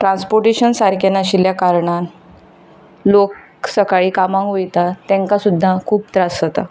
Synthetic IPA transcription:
ʈɾãnspoɾʈiɕənsaɾkenaɕiljakaɾɳan | lok | səkaɭiːkamãŋkʋojt̪at̪ːɛ̃ŋkasud̪ʱːakʰuːp̚t̪ɾasət̪a

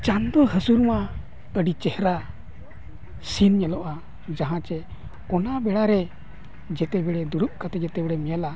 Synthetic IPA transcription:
t͡ʃand̪ɔɦəsuɾma | əɖit͡ʃɛhɾa | sinɲɛlɔʔa | d͡ʒaɦãt͡ʃɛ | ɔnabɛɽaɾɛ | d͡ʒɛt̪ɛbɛɽɛd̪uɽuʔ̚kat̪ɛd͡ʒɛt̪ɛbɛɽɛmɛjala

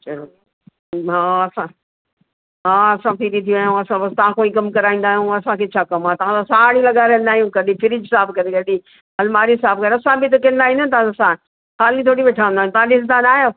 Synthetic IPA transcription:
t͡ʃɐɾ | ɦãɐsã | ɦãːɐsãpiɾit̪ʰijũaːjũɐsãbɐst̪ɐʋãkoːĩkɐmkɐɾaːĩːn̆d̪aːɦijũɐsãkʰeːt͡ʃʰaːkɐmaːt̪ɐʋ̤ãsosaːɽ̃ĩlɐɡaɾẽːnd̪aːɦijũɡɐɗĩfʰɪɾɪd͡ʒsaːbkɐɾeɡɐɗi | ɦɐlmaːɾisaːb̚kɐɾeɐsãbit̪̬ɐkẽːnd̪aːɦĩnd̪ət̪ɐʋãsã | xaːlĩt̪ʰoːɽiʋeːʈʰaːʋə̃nd̪aːjũt̪ɐʋ̤ãɗɪsd̪anaːjo

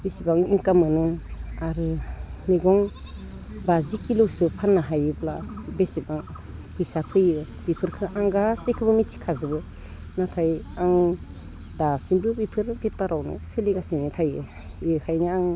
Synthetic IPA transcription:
besibaŋiŋkamɯnɯaɾɯmiɡɔŋ | bazikːilɯwsupʰanːaɦajɯbla̰besibaŋ | pʰɯjsapʰɯjɯ | bipʰɯɾkʰɯʔaŋɡasekʰɯbɯmit͡ʃʰi̥kʰazɯbɯ | natʰajaŋ | dasiŋbɯbipʰɯɾbep̚taɾʔawnɯ̰siliɡasiŋnitʰajɯ | ikʰajnɯaŋ

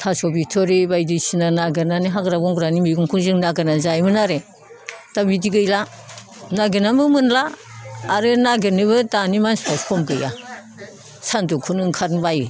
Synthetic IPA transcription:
tʰasɔbitʰɔɾibajdisinanaɡenaniɦaɡɾabɔŋɡɾanimiɡuŋkʰuŋzɯŋnaɡɯnazajmɯnaɾe | d̥abidiɡɯjla | naɡenamɯmɯnlaː | ɾɯnaɡenɯβɯdanimanspaskʰɔmɡɯja̰ | sandukʰunɯŋkʰatnbajɯ

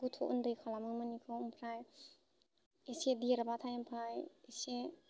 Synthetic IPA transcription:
ɡutʰoʔṵndɯjkʰalamɯmanikʰɯmpʰɾaj | esediɾabat̪ʰajmpʰɾajese

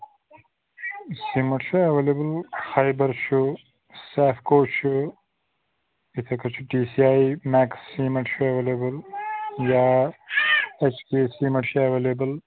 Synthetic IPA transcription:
siːmɐʈt͡ʃuɐʋelebɐlxaːjbɐɾt͡ʃʰu | saːfkoːt͡ʃʰu | it̪ʰɐkɐt͡ʃʰuʈiːsiaːimeːksːimɐʈʃuɐʋeleːbɐljaː | et͡ʃkeːsiːmɐʈɕuɐʋeːleːbɐl

